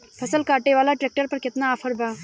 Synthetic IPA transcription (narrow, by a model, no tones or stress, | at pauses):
pʰɐsəlkaːʈeʋaːlaʈɾeːk̚ʈəɾpɐɾkɪt̪naːfʰəɾbʱaː